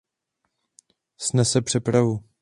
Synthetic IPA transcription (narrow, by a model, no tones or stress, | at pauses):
snɛsɛpr̥ɛpɾavu